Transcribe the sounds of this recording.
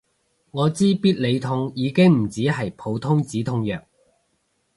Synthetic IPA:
ŋɔː˨˧t͡siː˥piː˥t̚le˨˧jt̪ʰʊ˧ŋjiː˨˧kɪ˥ŋm̩˨˩t͡siː˨˥ɦɐ˨jpʰo˨˧wt̪ʰʊ˥ŋt͡siː˨˥t̪ʰʊ˧˥ŋjœː˨k̚

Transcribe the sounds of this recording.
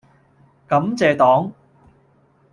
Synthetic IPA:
kɐ˨˥mt͡sɛː˨t̪ɔː˨˥ŋ

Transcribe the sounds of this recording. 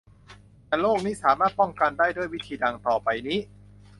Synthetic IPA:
t̪ɛː˨˩loː˥˩k̚niː˦˥saː˩˦maː˥˩t̪̚pɔ˥˩ŋka˧ndaː˥˩jdo˥˩əjwi˦˥t̪ʰiː˧da˧ŋt̪ɔː˨˩pa˧jniː˦˥

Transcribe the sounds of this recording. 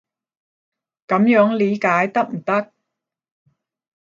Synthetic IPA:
kɐ˨˥mjœː˨˥ŋliː˨˥kaː˨˥jt̪ɐ˥k̚m̩˨˩t̪ɐ˥k̚

